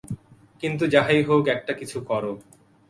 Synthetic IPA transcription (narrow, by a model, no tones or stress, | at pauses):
kint̪̬ud͡ʑaɦajɦokɛk̚ʈakit͡ɕʰukɔɾo